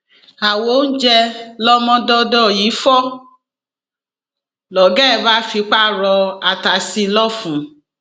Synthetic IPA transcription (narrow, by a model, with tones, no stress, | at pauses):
a˨wo˨˦n̩˦d͡ʒɛ˧lɔ˦mɔ̃˦dɔ˧dɔ˦˨ji˨˦fɔ˦ | lɔ˨ɡɛ˦˨ba˨˦fi˧k͡pa˦˨ɾɔ˧a˨ta˨˦si˧lɔ˦fũ˨˦